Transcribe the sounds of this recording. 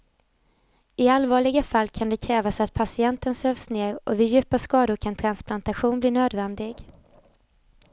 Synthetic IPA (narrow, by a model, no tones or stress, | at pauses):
ɪalvɑːɭɪɡafalːkʰand̪ɛkʰɾɛːvasat̪̚pʰasɪɛnt̪ənsøːvsneːɾɔvɪjʉ̟ːpaskɑːd̪ʊɾkʰant̪ʰɾansplant̪aɧuːnbliːnøːd̪vɛnd̪ɪɡ